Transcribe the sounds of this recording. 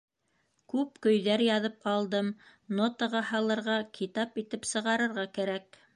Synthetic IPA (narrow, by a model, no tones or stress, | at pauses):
kʉpkɵ̆jðæɾjɑðɤp̚qɑlˠd̪ɤmnot̪əʁɑhɑlˠɤ̆ɾʁɑkʰit̪ɑpit̪ɘpsɤ̆ʁɑɾɤ̆ɾʁɑkæɾæk